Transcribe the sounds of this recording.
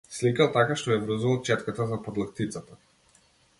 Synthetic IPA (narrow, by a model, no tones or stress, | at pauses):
slikalˠt̪akaʃt̪ɔjavɾəzuvalˠt͡ʃɛt̪kat̪azapɔd̪lˠakt̪it̪sat̪ḁ